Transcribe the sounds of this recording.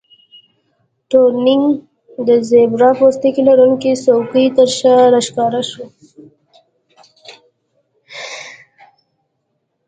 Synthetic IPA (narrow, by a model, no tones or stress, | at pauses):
ʈoɾnɪŋɡ | d̪əzebɾɑpost̪ikilaɾuŋkisokit̪əɾʃaɾaʃkɑːɾaʃo